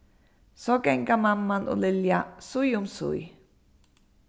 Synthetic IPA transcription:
sokɛŋkamamːanʔṵliljaʔsujumsṵj

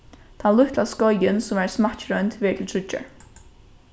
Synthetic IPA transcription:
t̪ʰanlʊht̪ʰlaskɔjɪnsʊmvæɹsmat͡ɕɾœnt̪vɛːt̪ʰɪlt̪ʰɾʏt͡ʃːə̰ɹ

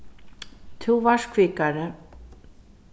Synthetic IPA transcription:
t̪ʰuvaʂkʰviːkaɾɪ

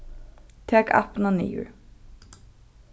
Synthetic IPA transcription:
t̪ʰɛːka̰pnanḭːjʊ̰ɹ

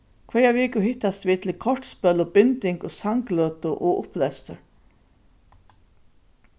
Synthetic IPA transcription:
kʰvɛːjavɪːkʊɦɪht̪ːast̪ʋiːt̪ʰɪlkʰɔɹʈspœlɔbɪnt̪ɪŋkɔsaŋkløːt̪ʊʔɔʊplɛst̪əɾ

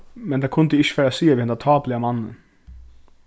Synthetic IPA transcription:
mɛnt̪ʰakʰʊnt̪ɪɪç̥ːfæːɾasiːaʋiːhɛnd̪at̪ʰɑːplɪamanːə̰

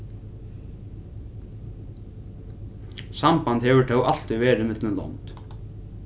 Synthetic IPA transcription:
sampant̪hɛvʏt̪ʰawʔal̥t̪ʏvɛːɾɪmɪt̪lɪnlɔ̰nt̪

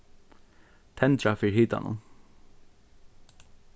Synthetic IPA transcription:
t̪ʰɛnt̪ɾafiːɹhiːt̪a̰nʊ̰n

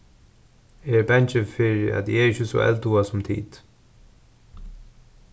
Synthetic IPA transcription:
ɛɹbɛnt͡ʃɪfɪɹɪæ̰t̪jɛɹɪçɪsɔ̰ʔɛ̰lt̪uasʊmt̪ʰḭːt̪

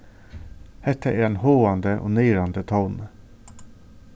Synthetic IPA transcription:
hɛt̪ʰəʔeːɾɛnhoːɑnd̪əʔo̰ːnœːɾɑnd̪ət̪ʰɔln

